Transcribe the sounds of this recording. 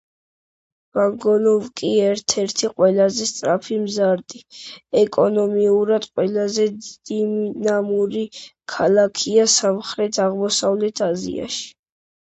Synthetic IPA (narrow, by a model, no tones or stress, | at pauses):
vaŋɡɔnɔvkʼiɛɾt̪ʰɛɾt̪ʰiqʼwɛlazɛst̪ʼɾapʰimzaɾd̪iɛkʼɔnɔmiuɾad̪̥qʼwɛlazɛd̪d̪̥imnamuɾikʰalˠakʰiasamχɾɛt̪ʰaʁmɔsavlɛt̪ʰazḭa̰ʃi̥